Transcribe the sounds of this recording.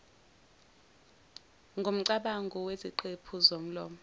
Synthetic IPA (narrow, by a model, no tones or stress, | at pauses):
ŋɡʱom̩ǀaɓaŋɡʱɔweziǃepʰuzom̩lɔːmɔ